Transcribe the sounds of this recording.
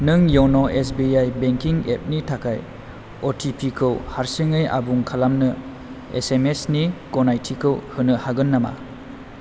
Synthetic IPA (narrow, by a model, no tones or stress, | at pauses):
nɯŋjownoʔes̬biajbeŋkiŋep̚nitʰakʰaj | otʰipʰikʰɯwhaɾsɯŋɯjʔa̰buŋkʰalamnɯ | ḛsemesnikonajtʰikʰɯwhɯnɯhaɡɯnːama̰